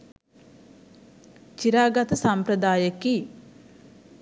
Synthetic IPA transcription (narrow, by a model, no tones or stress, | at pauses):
t͡ʃiɾaːɡat̪əsampɾəd̪aːjəki